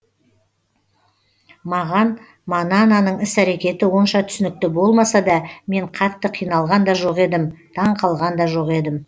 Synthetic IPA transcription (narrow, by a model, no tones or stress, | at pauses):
mɑʁɑn | mɑnɑnɑnəɴɪsæɾe̞kʲe̞t̪ɪwo̞nʃɑt̪ʰʏ̥sɪnɪk̚t̪ɪbo̞lˠmɑsɑd̪ɑme̞ɴqʰɑt̪ːəqʰijnɑlˠʁɑnd̪ɑʒo̞qe̞d̪ɪmd̪̥ɑɴqʰɑlˠʁɑnd̪ɑʒo̞qe̞d̪ɪm